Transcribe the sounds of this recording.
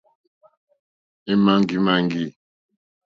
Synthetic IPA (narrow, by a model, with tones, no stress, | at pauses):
e˦ma˦ŋ˦ɡi˦ma˦ŋ˦ɡi˦˨